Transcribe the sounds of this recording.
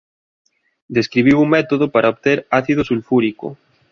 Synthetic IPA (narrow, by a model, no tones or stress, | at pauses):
d̪eskɾiβ̞iwuŋmɛt̪oðopaɾʔaoβt̪eɾaθið̞osulfuɾiko̰